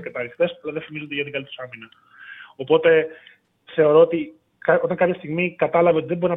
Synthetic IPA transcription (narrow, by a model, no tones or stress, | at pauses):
ket̪ɐnixt̪e̞sɐlɐðefimizond̪iʝɐt̪ikɐlit̪sɐminɐ | o̞po̞t̪e̞ | θe̞o̞ɾo̞ot̪i | kɐo̞t̪ɐŋkɐpçɐst̪iɣmikɐt̪ɐlɐveot̪iðebo̞ɾinɐ